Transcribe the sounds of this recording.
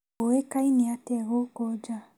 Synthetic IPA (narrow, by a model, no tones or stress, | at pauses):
owekainiatɛɣokɔd͡ʒa